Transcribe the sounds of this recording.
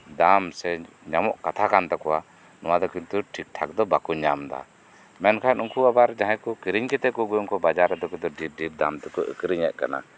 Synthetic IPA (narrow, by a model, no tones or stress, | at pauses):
d̪amsɛ | ɲamɔʔkat̪ʰakant̪ɔkɔwa | nɔwad̪ɔkint̪uʈʰik̚ʈʰak̚d̪ɔbakuɲamd̪a̰ | mɛnkʰanuŋkuabaɾd͡ʒãɦɛ̃kɔkiɾiɲkɛt̪ɛkuɡɔjmkɔbad͡ʒaɾɛd̪ɔkud̪ɔɖip̚ɖip̚d̪amt̪ɛkɔʔə̰kɾiɲɛʔkana̰